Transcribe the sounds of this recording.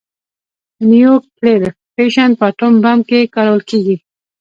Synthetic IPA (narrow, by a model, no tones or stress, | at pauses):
nujoɾk̚pled̪ | peʃanpət̪ombamkekaɽawəlkeɡi